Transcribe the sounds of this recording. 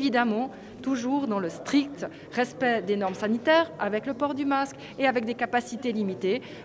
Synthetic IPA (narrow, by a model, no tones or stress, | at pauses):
vid̪amɑ̃ | t̪uʒuːʁd̪ɑ̃ləst̪χik̚t̪ | ʁɛspɛd̪enɔʁmsanit̪ɛːʁavɛkləpɔʁd̪ymask | eavɛk̚d̪ekapasit̪elimit̪e